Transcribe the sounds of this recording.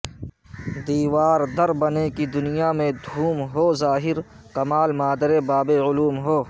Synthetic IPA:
d̪iːwaːɾd̪ɐɾbɐnekid̪ʊnijamẽd̪ʱuːmɦoːzaːɦɪɾ | kɐmaːlmaːd̪əɾebaːbeʊluːmɦoː

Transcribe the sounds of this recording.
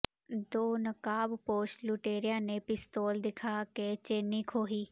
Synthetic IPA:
d̪oːnəkaːbpoːʃluːʈeːɾɪjãːneːpɪst̪oːld̪ɪkʰaːkeːt͡ʃeːniːkʰoːɦiː

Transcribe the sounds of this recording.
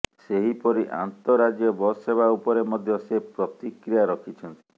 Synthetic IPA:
seɦipɔɾiʔa̰nt̪ɔɾad͡ʒjɔbɔseβʱaupɔɾemɔd̪ʱjɔsepɾɔt̪ikɾijaɾɔkʰit͡ʃʰɔnt̪i̥

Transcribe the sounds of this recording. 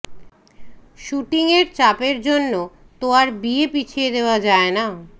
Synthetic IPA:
ʃuʈiŋeɾt͡ɕapeɾd͡ʑonːo | t̪oaɾbiepit͡ɕʰied̪eoad͡ʑaena

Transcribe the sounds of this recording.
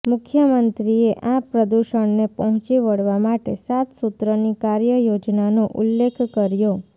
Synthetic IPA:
mʊkʰjəmənt̪ɾieʔapɾəd̪uʃəɳnepəɦɔ̃t͡ʃiʋəɽʋamaʈesat̪sut̪ɾənikaɾjəjod͡ʒnanoʔʊlːekʰkəɾjo

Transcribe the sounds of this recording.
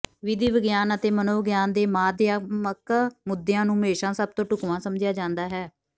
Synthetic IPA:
ʋɪd̪iːʋəɡjaːnət̪eːmənoːɡjaːnd̪eːmaːd̪ɪjaːməkmʊd̪ɪjãːnũːmeːʃãːsəb̚t̪õːʈʊkʋãːsəmd͡ʒɪjaːd͡ʒãːnd̪aːɦɛː

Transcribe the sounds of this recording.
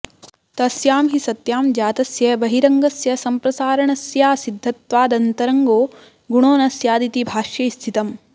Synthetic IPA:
t̪ɐsjaːmɦisɐt̪jaːmd͡ʒaːt̪ɐsjɐbɐɦiɾɐŋɡɐsjɐsɐmpɾɐsaːɾɐɳɐsjaːsid̪ʱːɐt̪ʋaːd̪ɐnt̪ɐɾɐŋɡoː | ɡuɳoːnɐsjaːd̪it̪ibʱaːʃjɐist̪ʰit̪ɐm

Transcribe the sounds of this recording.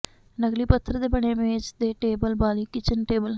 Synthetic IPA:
nəɡliːpət̪ʰːəɾd̪eːbəɳeːmẽːd͡ʒd̪eːʈeːbəlbaːliːkɪt͡ʃənʈeːbəl

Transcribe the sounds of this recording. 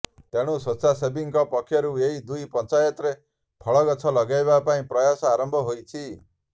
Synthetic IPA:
t̪eɽ̃usɔsasebiŋkɔpɔkʰːjɔɾueɦid̪ujpɔnt͡ʃajɔt̪ɾe | pʰɔɭɔɡɔt͡ʃʰɔlɔɡajbapaĩpɾɔjasɔaɾɔmbʱɔɦojt͡ʃʰi

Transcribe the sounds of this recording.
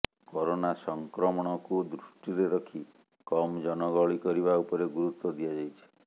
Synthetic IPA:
kɔɾonasɔŋkɾɔmɔɽ̃ɔkud̪ɾuʃʈiɾeɾɔkʰi | kɔmd͡ʒɔnɔɡɔɭikɔɾiβaupɔɾeɡuɾut̪wɔd̪ijad͡ʒajt͡ʃʰi̥

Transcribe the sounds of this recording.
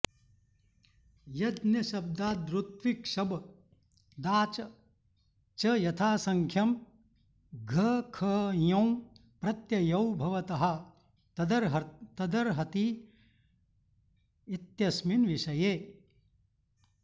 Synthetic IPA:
jɐd̪njɐʃɐb̚d̪aːd̪ɾut̪ʋikʃɐb | d̪aːt͡ʃɐ | t͡ʃɐjɐt̪ʰaːsɐŋkʰjɐm | ɡʱɐkʰɐjɐ̃w̃pɾɐt̪jɐjɐwbʱɐʋɐt̪ɐɦɐ̆ | d̪ɐɾɦt̪ɐd̪ɐɾɦɐt̪i | it̪jɐsminʋiʃɐjeː

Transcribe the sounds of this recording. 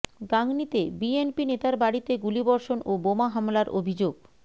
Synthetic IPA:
ɡaŋnit̪ebienpinet̪aɾbaɽit̪eɡulibɔɾʃonobomaɦamlaɾʔo̰bʱid͡ʑoɡ

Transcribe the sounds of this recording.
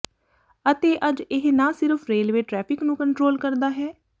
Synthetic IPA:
ət̪eːʔəd͡ʒɪɦnãːsɪɾəpʰɾeːlʋeːʈɾɛːpʰɪknũːkəɳʈɾoːlkəɾd̪aːɦɛː

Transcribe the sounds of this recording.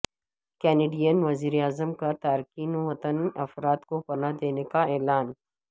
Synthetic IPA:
kɛːneːɖijənʋɐziːɾeaːzəmkat̪aːɾkiːnoʋɐt̪ənɐfɾaːt̪kopɐnad̪eːnekaɛːlaːn

